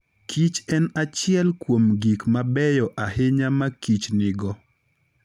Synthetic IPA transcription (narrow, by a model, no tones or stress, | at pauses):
kʰit͡ʃɛnat͡ʃɪɛlkwomɡikmabɛjɔʔahɪɲamakit͡ʃnɪɡɔ